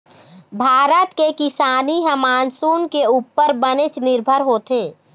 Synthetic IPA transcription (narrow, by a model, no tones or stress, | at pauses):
bʱaːɾət̪kekɪsaːniɦəmaːnsuːnkeuːpːəɾbənɪt͡ʃnɪɾbʱəɾɦoːt̪eː